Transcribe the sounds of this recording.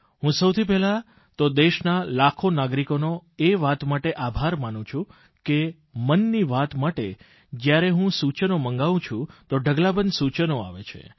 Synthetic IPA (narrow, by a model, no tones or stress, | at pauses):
ɦũsəwt̪ʰip̬ɛla | t̪od̪eʃnalakʰonaɡɾikonoeʋat̪maʈeʔabʱaɾmanũt͡ʃʰũ | ke | mənːiʋat̪maʈe | d͡ʒjaɾeɦũsut͡ʃənomə̃ŋɡaʋũt͡ʃʰũt̪oɖʱəɡlabənd̪sut͡ʃnoaʋet͡ʃʰḛ